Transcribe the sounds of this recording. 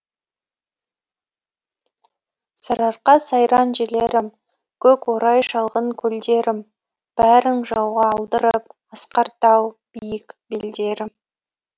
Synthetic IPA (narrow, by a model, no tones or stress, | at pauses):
sɑɾɑɾqɑsɑjɾɑnʒeleɾɪm | kʲʰɵkwoɾɑjʃɑlˠʁəɴkʲʰɵld̪e̞ɾɪm | b̥æɾɪŋʒɑwʁɑːlˠd̪əɾəp̚ | əsqɑɾt̪ɑwb̥ijɪkbeld̪e̞ɾɪm